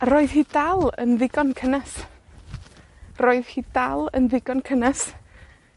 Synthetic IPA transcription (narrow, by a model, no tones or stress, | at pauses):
ɾoːɨð̥hiːdalˠə̰nðɪɡɔnkʰənas | roːɨðhiːd̥alˠə̰nðɪɡɔnkʰənas